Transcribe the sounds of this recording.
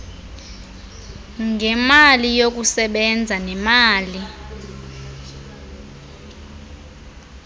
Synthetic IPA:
ŋɡʱɛmalijok̬usɛɓɛnd͡zʱanɛmaːli

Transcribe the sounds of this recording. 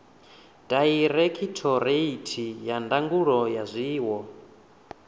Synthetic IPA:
daiɾɛkʰitʰɔɾeitʰijandaŋɡuɺɔjazʷiːwɔ

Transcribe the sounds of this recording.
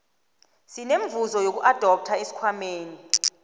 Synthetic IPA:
sineɱvuzɔjok̬uʔad̥ʱɔp̚tʰaesi̥kʰwameːni

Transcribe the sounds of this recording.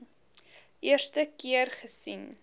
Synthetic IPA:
ʔiərstəkiərχəsin

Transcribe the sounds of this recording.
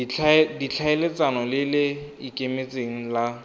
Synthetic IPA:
dit͡ɬʰaelet͡sʼanɔlɪlɪikʼemet͡sʼeŋ̩la

